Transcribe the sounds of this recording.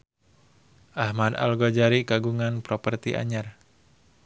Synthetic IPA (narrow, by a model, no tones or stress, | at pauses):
ʔahmad̪a̰lɡod͡ʒaɾiɡaɡuŋanpɾopərt̪iʔa̰ɲar